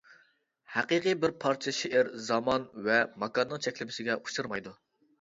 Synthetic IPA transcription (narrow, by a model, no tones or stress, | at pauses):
hæqɨqɨbɪɾpʰɑɾt͡ʃʰeʃeʔɪɾzɑmɑnvɛmɑkɑnːɨŋt͡ʃʰɛkʲlɪmɪsɪɡʲɛʔuʃɨɾmɑjd̪u